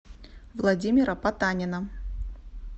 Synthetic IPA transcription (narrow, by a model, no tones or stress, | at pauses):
vlˠad͡zʲimʲɪɾɐpat̪anʲɪnɐ